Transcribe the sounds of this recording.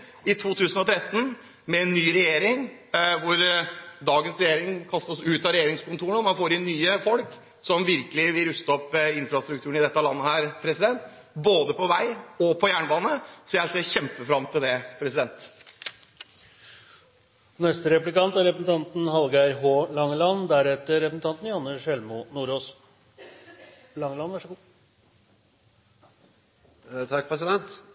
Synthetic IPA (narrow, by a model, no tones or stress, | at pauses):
ɪt̪ʰuːt̪ʰʉːsənɔt̪ʰɾɛt̪ːn̩ | mɛɛnːyːɾɛjeːɾɪŋʋʊɾd̪ɑːɡənsɾɛjeːɾɪŋkʰɑst̪ɔsʉːt̪ɑɾɛjeːɾɪŋskʊnt̪ʰuːɾəɳɔmɑnfoːɾɪnːyːəfɔlk | sɔmʋɪɾkəlɪʋɪlɾʉst̪ɔpːɪnfɾɑst̪ɾʉkt̪ʰʉːəɳɪd̪ɛt̪ːɑlɑnːəhæːɾpʰɾɛsɪd̪ɛnt̪ | boːd̪əpʰɔʋæɪɔpʰɔjæːɳbɑːnəsɔjæɪseːçɛmpəfɾɑmːt̪ʰɪld̪ɛpʰɾɛsɪd̪ɛnt̪ | nɛst̪əɾɛplɪkɑnt̪æɾɛpɾsn̩t̪ʰɑnt̪n̩ɦɑlɡæɪɾɦoːlɑŋːlɑnd̪æɾɛt̪ːəɾɛpɾsn̩t̪ɑnt̪n̩jɑnːəʂɛlmʊnuːɾoːs | lɑŋlɑnʋæʂɡ | t̪ʰɑkːpʰɾɛsɪd̪ɛnt̪